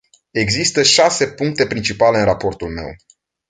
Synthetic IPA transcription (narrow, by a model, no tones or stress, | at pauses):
e̞ɡzist̪əʃase̞puŋk̚t̪e̞pɾint͡ʃipale̞ɨnrapo̞rt̪ulme̞̰w